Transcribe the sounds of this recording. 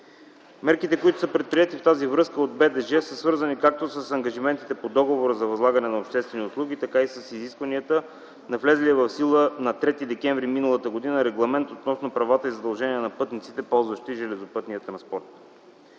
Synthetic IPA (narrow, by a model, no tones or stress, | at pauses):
mɛɾkit̪ɛkoit̪ʊ̥səpɾɛt̪̚pɾiɛt̪ift̪azivɾɤskəod̪̚bɛd̪ɛʒɛsəsvɤɾzənikak̚t̪osəsɐŋɡɐʒimɛnt̪i̥t̪ɛpod̪ɔɡovoɾəzɐvɐzlˠaɡənɛnɐopʃt̪ɛst̪vɛnʲiʊslˠuɡ̟ʲit̪ɐkaisəsiziskvɐniət̪ə | nɐvlɛzliɛvɐfsilˠənɐt̪ɾɛt̪id̪ɛkʲɛɱvɾiminəlˠət̪əɡod̪inəɾɛɡlˠɐmɛnt̪ot̪nɔsnopɾɐvat̪əizɐd̪ɐlˠʒɛniɛnɐpɤt̪nit̪sit̪ɛpɔlˠzvəʃt̪iʒɛlɛzopɤt̪nijət̪ɾɐ̃nspɔɾt̪